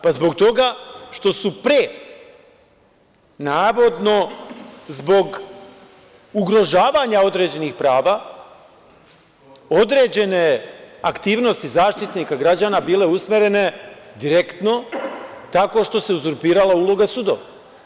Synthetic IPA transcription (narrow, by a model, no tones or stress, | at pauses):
pazbo̞ɡt̪o̞ɡaʃt̪o̞supɾe | naːʋo̞d̪no̞zbo̞ɡ | uɡɾo̞ʒaːʋaɲao̞d̪ɾe̞d͡ʑe̞nixpɾaːʋa | o̞d̪ɾe̞ːd͡ʑe̞ne̞akt̪iːʋno̞st̪izaːʃt̪it̪nikaɡɾad͡ʑaːnabiːle̞usmeɾe̞ne̞d̪iɾe̞kt̪no̞t̪ako̞ʃt̪o̞se̞uzuɾpiːɾalˠaulo̞ɡasuːd̪o̰ʋa